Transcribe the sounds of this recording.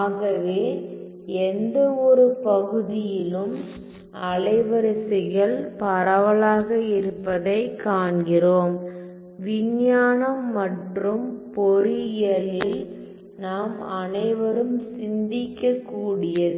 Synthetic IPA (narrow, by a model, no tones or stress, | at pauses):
aːɣɐʋeː | ɛnd̪ɐɔɾɯpɐɣɯðɪjɪlɯm | ɐɭɐɪʋɐɾɐsɪɣɐɭpɐɾɐʋɐɭaːɣɐɪɾɯpːɐðɐɪkːaːɳɡɪroːm | ʋɪɲjaːnɐmːɐʈrɯmpɔɾɪjɐlɪl | naːmɐnɐɪʋɐɾɯmsɪnd̪ɪkːɐkːuːɽɪjɐðɯ